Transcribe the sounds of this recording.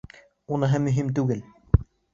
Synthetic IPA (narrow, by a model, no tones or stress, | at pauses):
unɤɦɤmɵ̆ɦimt̪ʉɡɘl